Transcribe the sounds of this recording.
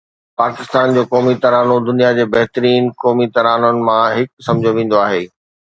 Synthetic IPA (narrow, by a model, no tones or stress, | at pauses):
paːkɪst̪aːnd͡ʑoːkɔːmit̪ɐɾaːnod̪ʊnijad͡ʑeːbɐɦt̪ɾiːnkɔːmit̪ɐɾaːnənɪ̆mãɦɪksɐ̃md͡ʑʱoʋẽːn̆d̪oaːɦeː